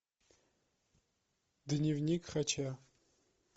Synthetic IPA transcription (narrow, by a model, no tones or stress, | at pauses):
d̪ɨnʲivnikχɐt͡ʃʰa